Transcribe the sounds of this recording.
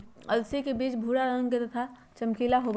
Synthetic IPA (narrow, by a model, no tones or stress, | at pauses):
ɐlsikebiːt͡ʃbʱuːɽaɾə̃ŋɡket̪ɐt̪ʰa | t͡ʃɐmkilaɦob